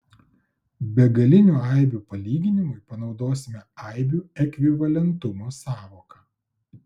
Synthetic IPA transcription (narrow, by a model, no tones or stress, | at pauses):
bʲɛɡɐlʲɪnʲuːɐˑɪbʲuːpɐlʲiːɡʲɪnʲɪmʊɪpɐnɒʊd̪oːsʲɪmʲɛɐɪbʲuːɛkʲʋʲɪʋɐlʲɛnt̪ʊmoːsɑːʋoːkɐ